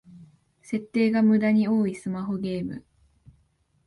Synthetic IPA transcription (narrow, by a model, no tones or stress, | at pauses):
se̞t̪ːe̞ːɡamɯ̟d̪aɲ̟io̞ːisɨmaɦo̞ɡʲe̞ːmɯ̟̰